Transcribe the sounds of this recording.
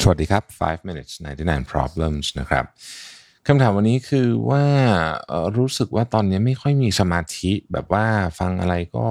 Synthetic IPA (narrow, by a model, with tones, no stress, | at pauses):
sɐ˧˨a˨˩t̚diː˧kʰa˦˥p̚fa̰ː˦˥jfmi˧ni˦˩t̪̚sna̰˧˩nt̪i˧˩naː˧npʰɾɔ̰ː˦˥b̚lə˧˩msna̰˦˥kʰɾa̰˦˥p̚ | kʰa˧mt̪ʰaː˩˦mwa˧nːiː˦˥kʰɯː˧waː˥˩ʔəː˨˩ɾuː˦˥sɯ˨˩k̚waː˥˩t̪ɔː˧nːi˦˥ɐma˥˩jkʰɔ˥˩jmiː˧sa˧maː˧t̪ʰi˦˥bɛ̰ː˨˩p̚waː˥˩fa˧ŋʔa̰˧ɾa˧jkɔ̰ː˥˩